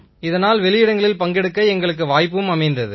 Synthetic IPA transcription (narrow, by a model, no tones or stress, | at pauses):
ɪðɐnaːlʋɛlɪjɪɽɐŋɡɐɭɪlpɐŋɡɛɽɯkːɐɛŋɡɐɭɯkːɯʋaːjpːɯʋɯmɐmɐɪnd̪ɐðɯ